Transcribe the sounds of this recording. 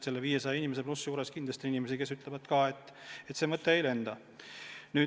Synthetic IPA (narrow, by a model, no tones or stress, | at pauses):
se̞lːeviːje̞s̬ɑjɑinimese̞plusjuːɾe̞skind̪lɑst̪iinimesike̞syt̪le̞vɑd̪kɑːe̞t̪ˑːet̪ːse̞ːmɤt̪ːˑeejle̞nd̪̥ɑ | nyː